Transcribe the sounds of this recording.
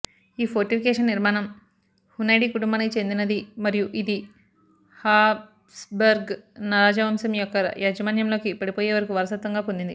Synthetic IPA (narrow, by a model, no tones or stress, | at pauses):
iːpʰoɾʈipʰikɛːʂɐnːiɾmaːnɐm | hunɐjɖiːkuʈumbaːnikit͡ʃe̞nd̪inɐd̪imɐɾijuʔid̪i | haːb | sbɐɾɡnaɾːd͡ʒɐʋɐmsɐmijɔkːɐjaːd͡ʒɐmaːnjɐmlo̞ːkipɐɽipoːjeːʋɐɾɐkuʋɐɾɐsɐt̪ʋɐŋɡaːpond̪ind̪i